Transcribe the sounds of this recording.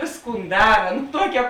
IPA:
ˈʋʲeːsˌkuːn ˈdɑːrɐ nʊ ˈtuɔkʲɛ

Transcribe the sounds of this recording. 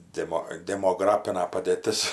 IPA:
ˈdʲæːmoː dʲɛmoːˈɡrɑːpʲɪnɐ pɐdʲeːˈtʲɪs

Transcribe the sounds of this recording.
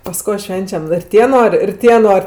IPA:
pɐs ˈkoː ˈʃʲʋʲɛnʲt͡ʃʲɛm ɪr ˈtʲiɛ ˈnoːrʲ ɪr ˈtʲiɛ ˈnoːrʲ

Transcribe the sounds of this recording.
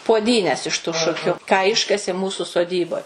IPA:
puɔˈdʲiːnʲɛs ɪʃ tʊ ˈʃʊkʲʊ kɑː ˈɪʃkɐsʲeː ˈmuːsʊ soːˈdʲiːboːj

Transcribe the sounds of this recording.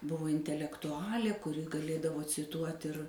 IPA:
ˈbʊʋoː ɪnʲtʲɛlʲɛktʊˈɑːlʲeː kʊˈrʲɪ ɡɐˈlʲeːdɐʋoː t͡sʲɪˈtuɔtʲ ɪr

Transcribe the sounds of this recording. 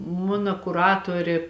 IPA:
ˈmʊnɐ kʊˈrɑːtoːrʲeː

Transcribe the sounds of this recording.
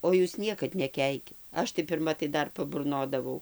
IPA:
oː ˈjuːs ˈnʲiɛkɐt nʲɛˈkʲɛɪkʲɪt ˈɐʃ tɐɪ pʲɪrˈmɐ tɐɪ ˈdɐr pɐbʊrˈnoːdɐʋɐʊ

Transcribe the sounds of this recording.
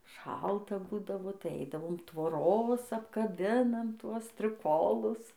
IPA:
ˈʃɐlˠtɐ ˈbuːdɐʋoː tɐɪ ˈɐɪdɐʋoːm tʋoːˈroːs ɐpkɐˈbʲɪnɐm ˈtuɔs sʲtʲrʲɪˈkoːlˠʊs

